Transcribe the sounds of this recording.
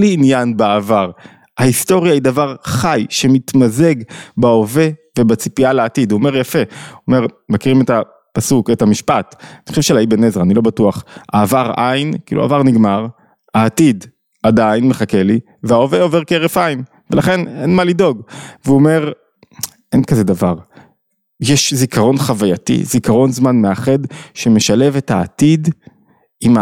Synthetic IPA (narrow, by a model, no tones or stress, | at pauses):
liːnjanbaavaʁ | haisto̞ʁjaidavaʁχajʃe̞mit̪maze̞ɡbao̞ve̞vebat͡si̥pialeatiduome̞ʁjafe̞ome̞ʁmakiʁimeta | pasuketamiʃpatanixχo̥ʃevʃelaibenezʁanilo̞batuaχa̰ːvaʁʔajnkiːlṵa̰vaʁniɡmaʁ | aːtid | adainmeχakeli | veao̞veo̞veʁkeeʁefaim | velaχe̞ne̞nmalido̞ɡveuːme̞ʁ | ʔenkazedavaʁ | jeʃzikaʁo̞nχavajatḭzikaʁo̞nzmanme̞aχe̞dʃe̞meʃale̞vetaːtid | ima